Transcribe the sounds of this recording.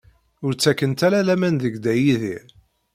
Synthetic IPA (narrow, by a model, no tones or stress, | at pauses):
ʊɾt͡sːækːənt̪æɾælæmænðəɡd̪æjiðiɾ